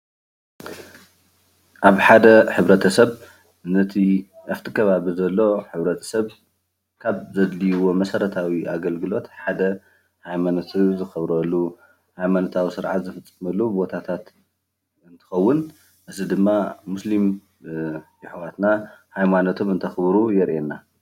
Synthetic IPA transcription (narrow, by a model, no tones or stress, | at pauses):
ʔaβħad̪ɐħɨβɾɐt̪ʰɐsɐβ | nɐt̪ʰiʔɐft̪ʰɨkʰɐβaβizɐlːo̞ħɨβɾɐt̪ʰɐ̥sɐβ | kʰaβzɐd̪lijwo̞mɐsɐɾɐt̪ʰawiʔaɡɐlɡɨlo̞t̪ħad̪ɐ | hajmanot̪ʰizɨxɐβɾɐlːu | hajmanot̪ʰawisɨɾʕa̰t̪zɨfɨt͡sʼːɨ̥mɐlːubo̞t̪ʰat̪ʰat̪ | ɨnt̪ʰɨ̥xɐwːʊn | ʔɨzid̪ɨmːamuslim | jɪħwat̪nahajmanot̪ʰomɨnt̪ʰɐxβɾujɛɾʔenːa